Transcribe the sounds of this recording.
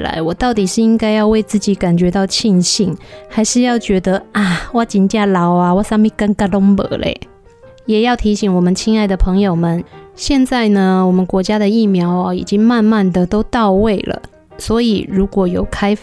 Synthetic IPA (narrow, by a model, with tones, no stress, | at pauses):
la̰˧˦ɪwɔ˨˩t̪ɑ˥˩ʊt̪i˨˩ʂɻ̩˥˧i˦˥ŋka˥ɪjɑ˥˧ʊwe˥˧ɪt͡sɹ̩˥˩t͡ɕi˨˥ka˨˩nt͡ɕɥɛ˧˥t̪ɑ˥˧ʊt͡ɕʰi˥˧ŋɕi˥˩ŋha˧˥ɪʂɻ̩˥˧jɑ˥˩ʊt͡ɕɥɛ˧˥d̪ə˧a˥˩wa˥˩t͡ɕi˨˩nt͡ɕja˥˩lɑ˧˥ʊa˧wa˥˩sa˥ŋmi˥˩ka˥nka˥˩lo˥ŋpə̰˨˩˦lḛ˨˦ɪ | jɛ˨˩jɑ˥˩ʊt̪ʰi˧˥ɕi˨˥ŋwɔ˨˩mə˨˦nt͡ɕʰi˥ŋa˥˩ɪd̪ə˩pʰɤ˧˥ŋjo˨˩ʊmə˨˦nɕjɛ˥˧nt͡sa˥˩ɪnə˨wɔ˨˩mə˦nkwɔ˧˥t͡ɕja˥d̪ə˨i˥˩mjɑ˧˥ʊɐ˨ḭ˨˩t͡ɕi˦˥ŋma˥˧nma˥˨nd̪ə˨t̪o˥ʊt̪ɑ˥˧ʊwe˥˩ɪlə̰˩ | swɔ˧˥i˨˩ɻu˧˥kwɔ˨˥jo˨˩ʊkʰa˥ɪ